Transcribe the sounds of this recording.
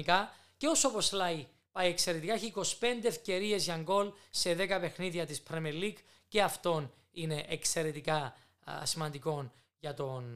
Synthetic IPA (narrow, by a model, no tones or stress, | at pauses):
ikɐ | ceosoposlɐi | pɐjekse̞ɾet̪ikɐçiko̞spe̞nd̪e̞efce̞ɾie̞zʝɐŋɡo̞lse̞ðe̞kɐpe̞xniðiɐt̪ispɾemelːik | ceɐft̪o̞n | ine̞ʔekse̞ɾe̞t̪ikɐ | simɐnd̪iko̞n | ʝɐt̪o̞n